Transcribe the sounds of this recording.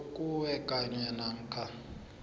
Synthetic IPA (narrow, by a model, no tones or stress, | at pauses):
kʼuwɛkʼaɲɛnaŋ̩kʰa